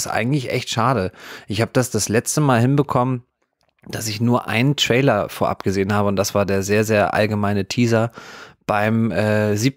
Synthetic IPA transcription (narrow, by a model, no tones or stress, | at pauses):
sʔa̰ɪɡŋ̩tlɪçʔɛ̰çtʃaːɾəʔɪçhaːbəd̥asd̥aslɛt͡stəmaːlɦɪnbəkʰɔmən | d̥asɪçnuːɐʔa̰ɪnəntʁ̥ɛɪlɐfoːɐʔa̰pɡ̥əzeːənhaːbəʊntd̥asv̥aːɐdeːɐzeːɐzeːɐʔa̰lɡəmaɪnətʰiːzɐb̥aɪmʔɛːziːp̚